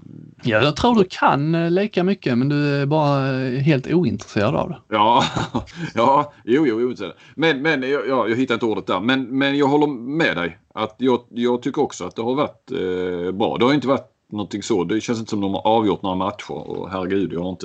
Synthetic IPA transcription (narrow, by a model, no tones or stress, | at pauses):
jɑːt̪ʰɾuːɖɵkʰa̰nliːkamʏkːəmɛnd̪ɵæɾbɑːɾaɦeːlt̪uːɪnt̪ɾəseːɾad̪a̰vd̪ɛjɑː | jɑːjuːjuːuːɪnɾseːa | mɛnmɛnjɑjɑːjɑːɦɪt̪ːaɾɪnt̪əuːɾət̪̚d̪æɾmɛnmɛnjɑːɡɦɔlːəɾmɛd̪ɛj | at̪jɑːɡjɑːɡ̚t̪ʰʏkːəɾɔksɔat̪̚d̪ɛhaɾvaʈ | bɾɑ̰ːd̪ɛhaɾʏɪnt̪əvaʈ | nɔnt̪ʰɪŋsɔd̪ɛɕɛnsɪnt̪əsɔmd̪ɔmha̰ɾʔɑːvjʊʈ̪noːɾamat̪ɧʊ̰ɾɔ̰ɦæɾɛɡʉ̟ːd̪jɑhaɾɪnt̪ə